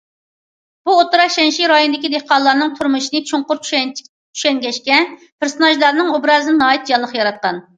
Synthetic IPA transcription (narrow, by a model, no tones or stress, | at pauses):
b̥uot̪uɾɑʃɛnʃiɾɑjond̪ɪkʲid̪ehqɑlˠːɑɾnɨŋt̪ʰuɾmuʃinɨt͡ʃʰuŋqʊɾt͡ʃʰʃɛ | t͡ʃʰy̥ʃɛŋɡʲɛʃkʲɛn | pʰɪɾsnɑʒlɑɾnɨŋobɾɑzɨnɨnɑːit̪̚d͡ʒɑlˠːəχjɑɾɑt̪̚qɑn